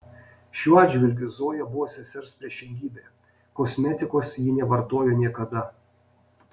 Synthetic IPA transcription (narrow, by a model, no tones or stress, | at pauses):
ʃʲuːɑːd̪ʲd͡ʒʲʋʲɪlʲɡʲʊzoːjɛbʊʋoːsʲɛsʲɛɾspʲɾʲiɛʃʲɪŋʲɡʲiːbʲeː | kɔsʲmʲɛt̪ʲɪkoːsjiːnʲɛʋɐɾt̪oːjoːnʲiɛkɐd̪ɐ